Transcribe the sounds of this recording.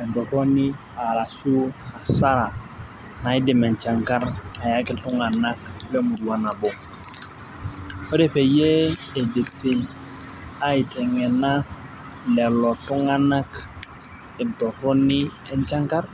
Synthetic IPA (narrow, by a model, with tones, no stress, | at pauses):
ɛ˨ntɔ˨to˦ni˦ | a˨la˨su˦a˨sa˦ɾa˨ | na˨i˦di˨mɛ˨ɲt͡ʃa˨ŋka˦ɾa˨ja˦kɛ˦tu˦ŋa˨na˦kle˦mu˨du˨a˨na˨bo˨ | ɔ˦de˨pe˨je˦e˨de˨pi˨n | a˦i˨tɛ˨ŋɛ˨na˦ | lɛ˨lɔ˨tu˦ŋa˦na˦k | ɛ˨ntɔ˨tɔ˦ni˦ɛ˦ɲt͡ʃa˦ŋka˦r